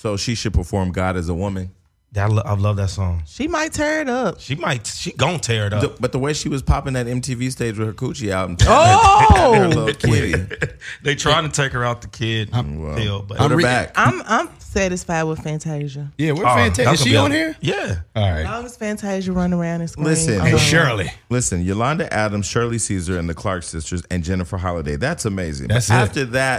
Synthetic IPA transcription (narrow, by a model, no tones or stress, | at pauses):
soʊʃiʃɨd̚pʰə˞fɔɹmɡɑɾɨzəwʊmɨ̃n | ðɨtlʌa̰ɪlʌvðɨtsɔ̃ŋʃimaɪtʰɛɹɨɾʌp̚ʃimaɪtʃizɡõʊ̃ntʰɛɹɨɾʌðb̥ʌt̪̚ðəweɪʃiwʌz̥pʰɑpɪ̃ŋðɨɾɛ̃mtʰivisteɪd͡ʒwɨð̥ə˞kʰut͡ʃiaʊɾ̃m̩to | lʌkʰɪɾḭðeɪtʰɹ̥aɪɪ̃ŋtʰɨtʰeɪkə˞aʊt̪̚ðɨkʰɪd̚wɛ̰ɪlˠbʌ̃ɾə˞k̚ãɪ̃mãɪ̃msæɾɨsfaɪd̚wəð̥fæ̃ntʰeɪʒɨjæwəfntʰeʃĩnhiɹjæ | ə̃ŋɨz̥fæ̃ntʰaɪʒəɹʌ̃nɪ̃ŋə˞ãʊ̃ndɨskllɪsɨ̃nʃɔ˞lˠilɪsɨ̃njəlɑ̃ndɨʔæɾə̃mz̥ʃɜ˞lˠisizə˞ɨ̃nðɨkʰl̥ɑɹksɪstə˞zɨ̃nd͡ʒɛnɨfə˞ɦɑlˠədeɪðætsəmeɪzɪ̰̃ŋʌæftə˞ðæt̚